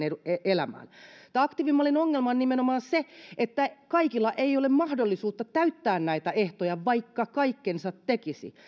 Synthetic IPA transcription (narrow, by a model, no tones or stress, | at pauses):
eueʔelæmæ̰ːnt̪ɑɑkt̪iʋimːɑlinoŋːelmɑnnimenomɑːnseʔet̪ːækɑikilːɑʔeiolemmɑhdolːisuːt̪ːɑt̪æyt̪ːæːnnæit̪æʔeht̪ojɑʋɑikːɑkɑikːensɑt̪tekisḭ